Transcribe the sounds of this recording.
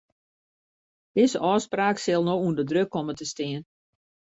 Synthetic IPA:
d̥ɪzəʔɔːspraːksɪlˠnoundədrøkʰːomətəstɪən

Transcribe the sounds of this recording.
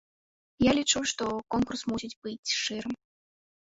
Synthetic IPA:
jalʲit͡ʂuʂt̪ɔkɔnkursmusʲid͡zʲbɨt͡sʲʂɨɾɨm

